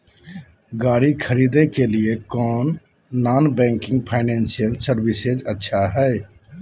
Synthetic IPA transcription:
ɡaːɾikʰəɾid̪ekeliekɔːnː | aːnbɛ̃ŋkɪ̃ŋɡ̚pʰaɪnɛnsijəlsəɾbised͡ʒətːʃʰaɦɛj

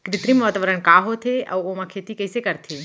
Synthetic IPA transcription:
kɾɪt̪ɾimɔːt̪əʋəɾəɳkaːɦot̪ʰeʔə̰womãkʰet̪ikəjsekəɾt̪ʰe

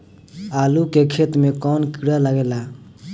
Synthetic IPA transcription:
alukekʰet̪mekɔnkiɽələɡela

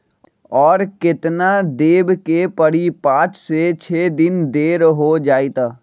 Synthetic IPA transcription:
ɔːɾkɪt̪nad̪eːbkepəɽipãːt͡ʃset͡ʃʰeːd̪ɪnd̪eːɾɦod͡ʒaːit̪aː

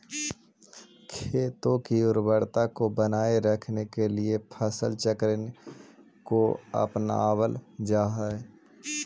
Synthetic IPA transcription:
kʰeːt̪õkiʊɾbəɽt̪akobənaːeɾəkʰnekeliepʰəsəlt͡ʃəkɾən | koə̰pna̰ːwəld͡ʒaːɦae

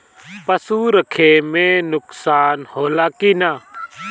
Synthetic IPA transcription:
pəsuɾəkʰeːmẽnʊksaːnhoːlaːkinaː

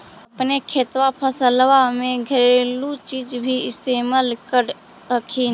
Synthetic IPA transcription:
əpnekʰeːt̪wapʰəsəlwamẽɡʱəɾelut͡ʃiːd͡ʒbʱiɪst̪eːmalkəɾ | əkʰi

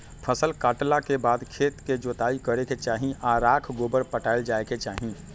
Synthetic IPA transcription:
pʰəsəlkaːʈlakebaːd̪kʰeːt̪ked͡ʒoːt̪aːikəɾeket͡ʃaːɦĩaɾaːkʰɡoːbəɾpəʈaɪld͡ʒaːeket͡ʃaːɦĩ

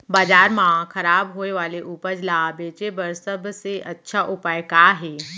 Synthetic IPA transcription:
baːd͡ʒaːɾmãkʰɐɾaːbɦoːeʋaːleʔuːpəd͡ʒlabeːt͡ʃebəɾsɐbʱseʔɐtːʃʰaʔʊpaːjkaːɦeː

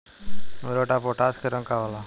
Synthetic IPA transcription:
mɾoːʈaːpoːʈaːskeɾə̃ŋkaːʋalaː

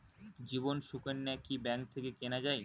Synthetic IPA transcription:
d͡ʑibonʃukenːakibɛŋk̚t̪ʰekekenad͡ʑae

